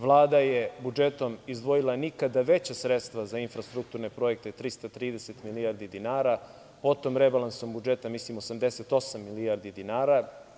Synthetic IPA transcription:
ʋlˠaːd̪aje̞bud͡ʒe̞t̪o̞mizd̪ʋo̞jilˠanikad̪aʋe̞t͡ɕasɾet̪st̪ʋazainfɾast̪ɾuk̚t̪uːɾne̞pɾo̞jek̚t̪et̪ɾist̪at̪ɾiːd̪eset̪milijaɾd̪id̪inaːɾa | po̞t̪omɾebalˠanso̞mbud͡ʒe̞t̪amislimo̞samd̪e̞set̪o̞samːilijaɾd̪id̪inaːɾa

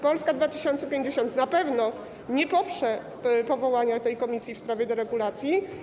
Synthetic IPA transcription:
pɔlskad̪vat̪ɘ̥ɕɔnt̪sɛpʲjeɲd͡ʑeɕɔnt̪napɛvnɔ | ɲɛpɔpʂɛ | pɔvɔwaɲat̪ɛjkɔmʲisʲjifspɾavʲjɛd̪ɛɾɛɡulat̪sʲji

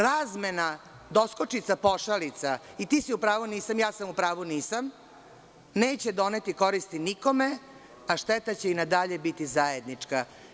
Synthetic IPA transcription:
ɾaːzmena | d̪o̞skot͡ʃit̪sapo̞ʃalit̪sait̪iːsiupɾaːʋuniːsamjaːsamupɾaːʋuniːsam | neːt͡ɕed̪o̞net̪iko̞ɾist̪iniko̞me | aʃt̪et̪at͡ɕeinad̪aʎebit̪izajed̪nit͡ʂka

